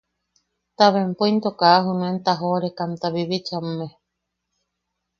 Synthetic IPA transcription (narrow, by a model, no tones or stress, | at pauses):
t̪aβempoint̪okaaɦunũent̪aɦoɾekamt̪aβiβit͡ʃamːe